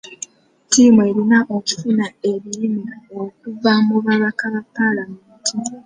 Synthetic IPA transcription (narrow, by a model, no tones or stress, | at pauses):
tiːmue̞ɾinaʔocu̥funae̞βiɾimiok̚uvamuβaβakaβapːalameːntʰi